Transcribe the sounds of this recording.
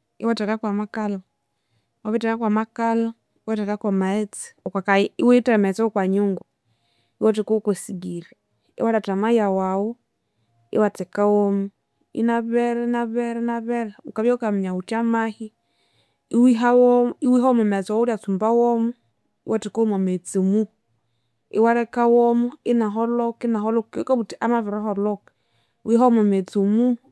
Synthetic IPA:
ḭwatɛkakwamakalɔ | aβitɛkakwamakalɔ | iwatɛkakamaɛt͡si̥ɔkakaiwitɛmɛt͡sɛkwaɲuŋɡu | iwɔtikukusiɡiɾa | ḭwaɾatamajawawu | ḭwatɛkawɔmu | ḭnaβɛɾɛnaβɛɾɛnaβɛɾɛukaβokamɲaut͡ʃamahi | iwiɦawɔiwiɔmɔmɛt͡sɔwuɾiat͡sumbawɔmu | iwʔɔtikomamet͡simu | ḭwaɾɛkawɔmɔinaɦɔlɔkinaɦɔlɔkikɔβutiʔamaβɛɾaɦɔlɔk | wiɦamamet͡sumu

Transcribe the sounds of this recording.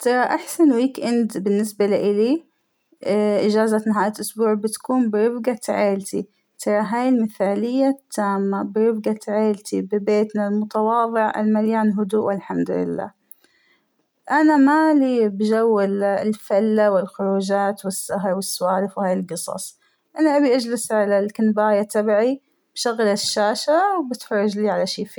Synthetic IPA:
t̪ʰɑɾˤɑʔaħsanwiːkʔɪnd̪bɪnːɪsbaliʔɪli | ʔɪd͡ʒaːzat̪naɦaːjalʔʊsbuːʕbɪt̪kuːmbɪɾɪbɡat̪ʕeːlt̪i | t̪ʰɑɾˤɑɦaːjɪlmɪθaːlɪjːat̪ʰːaːmːabɪɾɪbɡat̪ʕeːlt̪ʰibɪbeːt̪nalmʊt̪ɑwɑːðˤɨʕʔa̰lmaljaːnɦʊd̪uːʔʔɪlħamd̪ʊlɪ̰lːa̰ː | ʔanamalibd͡ʒawːɪlɪlfalːawɪlxʊɾuːd͡ʒaːt̪wɪsːaɦɾˤwɪsːʊwaːɾɪfwhaːjɪlɡɨsˤɑ̰sˤ | ʔanaʔabiʔad͡ʒlɪsʕalalkɪnbaːjat̪abʕi | b̥ʃaɣlaʃːaːʃawbɪt̪ħɾʊd͡ʒliːʕalaʃiːfiː

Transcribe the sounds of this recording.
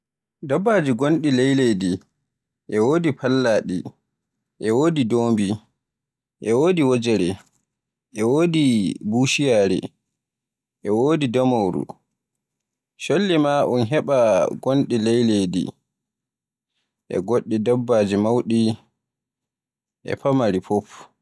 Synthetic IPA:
dabːaːd͡ʒiɡonɗilejledi | ʔɛwoːdipalːaːɗḭ | ʔɛwoːdidoːmbi | ʔɛwoːdiwod͡ʒɛɾɛ | ʔɛwoːdibuːʃijaːɾɛ̰ | ʔɛwoːdidɔmowɾṵ | ʃolːimaʔunɦɛɓaɡonɗilɛjledḭ | ʔɛ̰ɡoɗːidabːad͡ʒɛmawɗi | ʔɛ̰pamaɾifɔf

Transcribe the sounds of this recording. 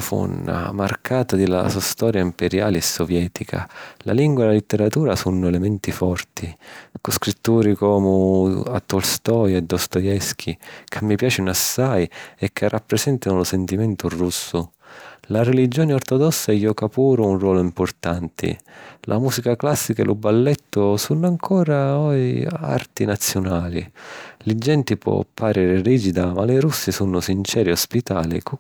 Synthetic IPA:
fṵnːa̰ma̰rkʰaːt̪ad̪ila̰suast̪ɔːɾjaimpɛɾja̰ːliɛsːɔvjɛːt̪ʰikʰa̰la̰liŋɡwaelalit̪ːɛɾat̪uːɾasunːʊɛlɛmɛnt̪ifɔrt̪ʰikʊskɾit̪ːuːɾikɔːmʊa̰t̪ːɔlst̪ɔːjɛd̪ːɔst̪ɔjɛsk̟ʰikʰɪmːipjaːt͡ʃinʊasːajɛkʰːɪrːʔapːɾɛsɛnt̪anʊlʊsɛnt̪imɛnt̪ʊrusːʊ | laɾɛlid͡ʒːɔːnɪɔrt̪ɔd̪ɔsːaɛjːɔkapuːɾʊunrwɔːlʊimpʊrt̪ant̪ʰɪ̰lʔa̰muːsikaklasːikaɛlʔʊbːalːɛt̪ːʊsunːaŋkʰɔːɾaɔa̰rt̪inat̪sːjʊnaːlilɪd͡ʒɛnt̪ipwɔ̰pʰːaɾɛːɾɪriːd͡ʒid̪amalɪɾusːɪsunːʊsint͡ʃɛːɾiɔspit̪aːlḭk

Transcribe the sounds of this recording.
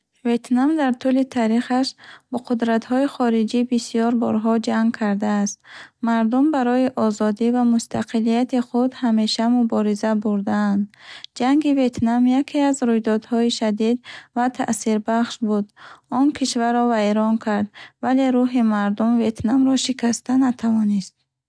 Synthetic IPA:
ve̞t̪namd̪aɾt̪ʰulit̪ʰaɾiχaʃb̥ɔqʰud̪ɾat̪hɔiχɔɾid͡ʒibisijɔɾbɔ̰ɾɦɔd͡ʒaŋɡkʰaɾd̪aːst̪maɾd̪umbaɾɔiʔɔzɔd̪ivamust̪ʰaqʰilijat̪iχud̪hame̞ʃamubɔɾizabuɾd̪aːnd̪d͡ʒaŋɡive̞t̪namjakʰeazɾujd̪ɔd̪hɔiʃad̪id̪vat̪ʰa̰ʔsiɾbaχʃbud̪ɔnkʰiʃvaɾɔvaeɾɔnkʰaɾd̪vale̞ɾuɦimaɾd̪umve̞t̪namɾɔʃikʰast̪anat̪ʰavɔnist̪̚

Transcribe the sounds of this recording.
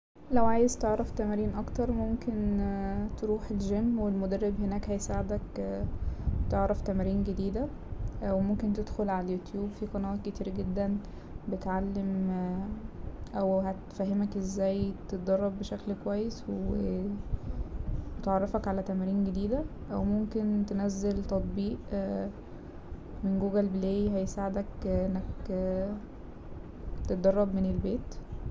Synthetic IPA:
læwʕaːjezt̪eʕɾˤɑft̪æmæɾiːnʔɑkt̪ɑɾˤmomkent̪eɾuːħelʒemːwelmod̪ærːebhenæːkhæjsaʕed̪æk | bt̪eʕɾˤɑft̪æmæɾiːnɡed̪iːd̪æ | wemomkent̪ed̪xolʕalæjut̪juːbfiqɑnɑʔt̪̚ket̪iːɾɡed̪ːæn | bet̪ʕalːem | ʔæwhæt̪fæɦemækʔezːæːjt̪et̪̚d̪ɑrˤːɑbːeʃæklkowæjːeswe | bet̪ʕɑrˤːɑfækʕalæt̪æmæɾiːnɡed̪iːd̪æʔæwmomkent̪enæzːelt̪ɑt̪̚ˤbiːʔ | menɡuːɡælbelæːjiɦæjesaːʕed̪ækʔenːæk | t̪et̪̚d̪ɑrˤːɑbmenelbeːt̪

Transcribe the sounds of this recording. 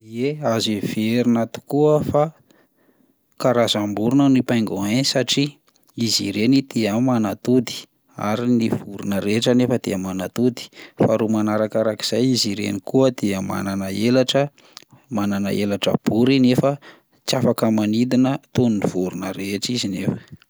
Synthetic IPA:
ieazivieɾinat̪u̥kuəfa | kaɾazambuɾunənipajŋɡoensaʈ͡ʂi | izḭɾenit̪eamanat̪ud̪i̥ | a̰ɾiniv̥uɾunəɾeʈ͡ʂənefəd̪̥eəmanat̪ud̪i̥faɾomanaɾakaɾaki̥z̥ajiziɾḛnikuəd̪̥eəma̰nanəelaʈ͡ʂə | mananə̰ʔelaʈ͡ʂə̰b̥uɾinefə | t͡safakəmanid̪inət̪onuniv̥uɾunəɾeʈ͡ʂizinefə̥

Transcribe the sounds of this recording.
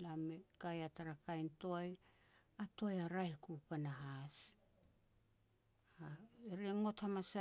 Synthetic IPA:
lamekajataɾakajnto̞j | ato̞jaɾaekupanaɦas | aeɾeŋo̞thamasa

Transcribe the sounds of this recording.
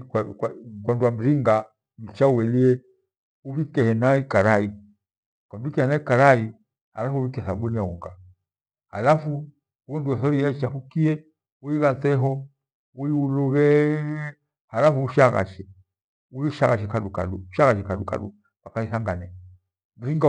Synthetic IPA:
kwanduam̩ɾiŋɡa | m̩t͡ʃauwɛliɛ | uβikɛhɛnaikaɾai | kam̩ikɛhɛnaikaɾai | halafuuvikɛθaɓuniauŋɡa | halafu | uɔnduɛθɔijait͡ʃafukiɛ | uiɣat͡sɛɦɔ | uiuluɣɛ | halafuuʃaɣa̰ʃɛ | uiʃaɣaʃɛkaluka̰luuʃaɣaʃɛkaɗuka̰ɗu | kakaiθaŋɡanɛ | m̩ɾiŋɡa

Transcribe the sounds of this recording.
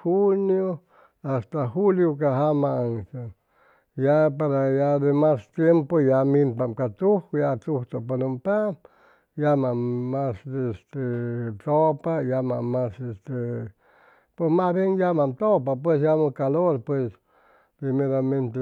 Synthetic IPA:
hunjo | ast̪axuljokaɦamaansa | japaɾajad̪emast̪jempojamimpamkat̪uhkjat̪uht̪opaɾompa | jamamasest̪et̪opajamamasest̪e | pwesmasβjenjamamt̪opap̬wes̬jamokaloɾpwes | pɾimeɾamẽnt̪e

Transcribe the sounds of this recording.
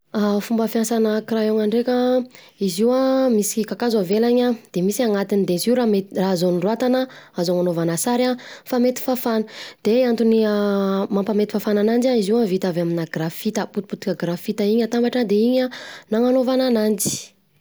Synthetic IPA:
afumbəfjansanakiraoŋaɳɖ͡ʐekʲa | iziwamisi̥kikakazavelaɲad̪̥emisaŋat̪inid̪eiziuɾamerazonirwat̪anəazoŋanovanasaɾafamet̪i̥fafanə̥d̪̥eant̪uniəmampamet̪i̥fafananand͡ʒaiziwavit̪avaminaɡrafit̪əput̪iput̪u̥kʲaɡrafit̪əiɲat̪ambaʈ͡ʂad̪eiɲanaŋanovananand͡ʒi̥

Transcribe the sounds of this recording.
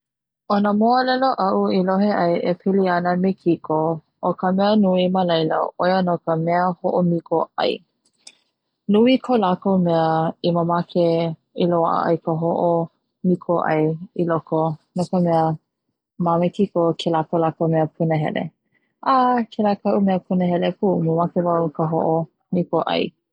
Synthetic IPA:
onəmoəlɛloʔɐʔuiloɦeʔɐjʔepʰiliɐnəmekʰiko | ʔokʰəmɛənuiməlɐjlə̰ojənokəmɛəhoʔomikoɐ̰j | nuikʰolakowmɛəiməmakʰe | iloa̰ʔə̰ʔɐ̰jkʰəɦoʔo | mikʰoʔɐ̰jilokonokəmɛə | mamekʰikokʰelakolakomɛəpʰunəɦɛ̰lḛ | ʔakʰelakʰɐʔumɛəpʰunəɦɛlepʰuməmakevaukʰəɦo̰ʔo | mikoʔɐ̰j

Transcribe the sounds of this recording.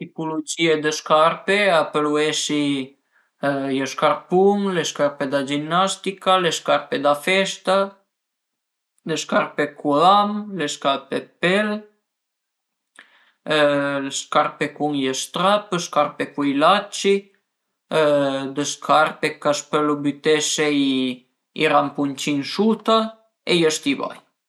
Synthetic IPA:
t̪ipulud͡ʒied̪əskaɾpeapəluesi | jəskaɾpuŋleskaɾped̪ad͡ʒinːast̪ikaleskaɾped̪afɛst̪a | leskaɾpekuðamleskaɾpepɛl | leskaɾpekuŋjest̪ɾapəskarpekujlat͡ʃi | d̪əskʰaɾpekaspəlobyt̪esej | ḭɾampunt͡ʃiŋsut̪a | ejəst̪iβa̰j

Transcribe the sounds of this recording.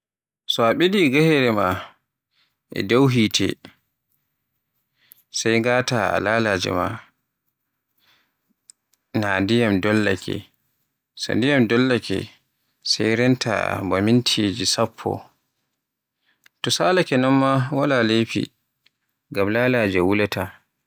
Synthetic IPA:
sɔaɓediɡahɛɾɛma | ʔɛ̰dawɦiːtʰɛ̰ | sajŋɡaːtaa̰lalad͡ʒɛ̰ma̰ | nandijamdɔlːakʰɛ̰ | sa̰ndijamdɔlːakɛ̰ | sajɾɛntʰa̰bamintʰiːd͡ʒisapʰːɔ̰ | tɔsaːlakɛnɔnmawalalepḭ | ɡamlaːlad͡ʒɛwulata

